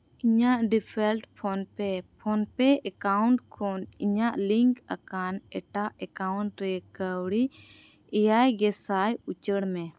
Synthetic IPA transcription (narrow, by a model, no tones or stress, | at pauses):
iɲaʔɖipʰɛlʈpʰɔnpɛpʰɔnpɛʔɛkawɳʈkʰɔniɲaʔliŋkakanɛʈaʔɛkawɳʈɾɛkəwɽi | ɛjajɡɛsajut͡ʃəɽmɛ̃